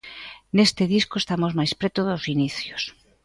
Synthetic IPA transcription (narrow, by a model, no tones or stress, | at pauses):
nest̪eðiskoest̪amozmajspɾɛt̪oðosiniθjos